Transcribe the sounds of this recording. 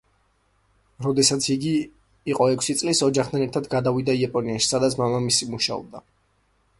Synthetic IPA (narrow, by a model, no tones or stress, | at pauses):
ɾɔd̪ɛsat̪sʰiɡiː | qʼɔɛkʷʰsit̪sʼlisɔd͡ʒaχt̪ʰanɛɾt̪ʰad̪ɡad̪avid̪aiapʼɔniaʃi̥sad̪at̪sʰmamamisimuʃaɔ̰b̚d̪a